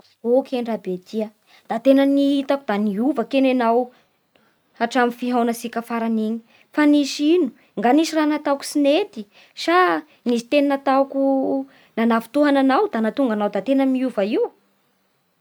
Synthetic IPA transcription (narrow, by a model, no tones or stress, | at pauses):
okʰeɳɖ͡ʐabet̪ʰiə | d̪̥at̪enəniɦit̪akud̪aniuvəkenenaw | aʈ͡ʂamifiɦawnasikafaɾaniɲi̥ | fanisinu̥ | ŋɡanisiranat̪awku̥sinet̪i | ʃa | nisi̥t̪eninat̪aku | nanavu̥t̪uɦananawd̪anat̪uŋɡanawd̪at̪enəmiuvaiw